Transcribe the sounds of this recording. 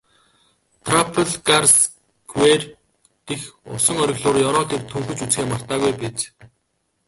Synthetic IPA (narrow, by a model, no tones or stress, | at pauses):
t̪ʰrapʰəɮɡars | ɡwer | t̪exʊ̰sɞ̆ŋœɾʲɪ̆ɣɮʊːrjɔɾɔːt̪ek̚t̪ʰuŋxɵ̆t͡ɕut͡sxeːmar̥t̪aːɣujpet͡ɕ